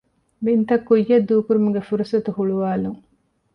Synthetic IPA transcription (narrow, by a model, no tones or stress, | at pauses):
bint̪ɐkːujːɐd̪ːuːkuɾumuɡefuɾusɐt̪uhuɭuʋaːluŋ